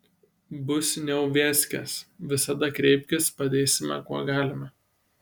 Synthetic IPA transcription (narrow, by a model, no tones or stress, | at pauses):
bʊsnʲɛʊʋʲɛːsʲkʲɛ̰sʋʲɪsɐd̪ɐkɾʲɛɪpʲkʲɪspɐd̪ʲeːsʲɪmʲɛ̰kuɔɡɑːlʲɪmɐ